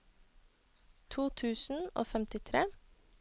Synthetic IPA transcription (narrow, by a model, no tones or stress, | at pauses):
t̪ʰuːt̪ʰʉːsn̩o̰ːfɛmt̪ɪt̪ʰɾeː